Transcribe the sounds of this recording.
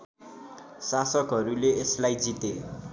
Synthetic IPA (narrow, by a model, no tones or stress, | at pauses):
sasʌkɦʌɾuleeslajd͡zit̪e